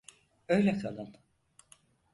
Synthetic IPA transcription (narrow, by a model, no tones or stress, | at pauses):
øjlʲɛkʰalˠɯn